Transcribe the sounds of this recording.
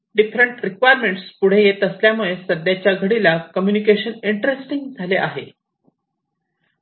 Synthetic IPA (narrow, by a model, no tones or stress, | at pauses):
ɖifɾəɳʈɾikʋajəɾmeɳʈspuɽ̤ejet̪əsljamuɭesəd̪jat͡ɕjaɡʱəɽilakəmjunikeɕəniɳʈɾesʈiŋɡd͡zʱaleʔaɦe